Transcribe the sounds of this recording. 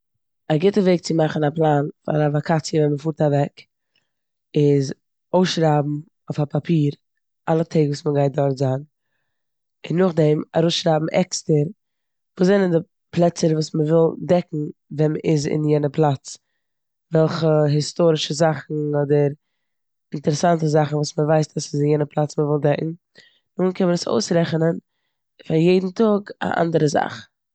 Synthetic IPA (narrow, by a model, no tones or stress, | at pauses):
aɡɪtəveɪk̚t͡sɪmaχn̩aplˠaːnfa̰ɾavakʰat͡sijəvɛnməfuːɾtavɛk | ɪz | oʊsʃɾaːbm̩ | oʊfapapʰiːɾ | alˠətʰeɪɡvuːsməɡaɪt̚dɔɾtzaːn | ɪnːʊχdɛma̰ɾoʊsʃɾaːbm̩ʔɛkstəɾ | vuːs̬zɛnəndɪ | plˠɛt͡səɾvuːsməvɪlˠdɛkŋ̩vɛnməʔɪ̰zɪ̰njɛnəpʰlˠat͡s | vɛlˠχəɦɪstoːɾɪʃəzaχn̩ɔdəɾ | ɪntəɾɛsantəzaχn̩vuːsməvaɪstasɪsɪnjɛnəpʰlˠat͡sməvɪlˠdɛkŋ̩ | nuːnkʰɛnmənəso̰ʊsɾɛχənən | faɾjeɪdn̩tʊɡa̰ʔa̰ndəɾəza̰χ